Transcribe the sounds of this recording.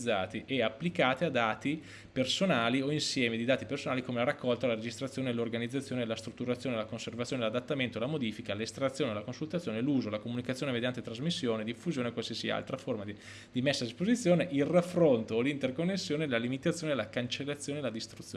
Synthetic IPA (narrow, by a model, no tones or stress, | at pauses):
d̪zːaːt̪iʔɛapːlikaːt̪ead̪aːt̪i | personaːlioinsjɛːmed̪id̪aːt̪ipersonaːlikomelaɾakːɔlt̪alaɾed͡ʒist̪ɾat̪sːjoːnelorɡanid̪zːat̪sːjoːnelast̪ɾut̪ːuɾat̪sːjoːnelakonservat̪sjoːnelad̪at̪ːament̪olamod̪iːfikalest̪ɾat̪sjoːnelakonsult̪at̪ːjoːneluːzolakomunikat̪ːjoːnemed̪jant̪et̪ɾazmisːjoːned̪ifːuzjoːnekwalsiasia̰lt̪ɾaformai | d̪imesːad̪ispozit̪sːjoːneʔilrafːɾont̪oːlint̪erkonːesːjoːnelalimit̪at̪sːjoːnelakant͡ʃelːat̪sːjoːnelad̪ist̪ɾut̪sːjoː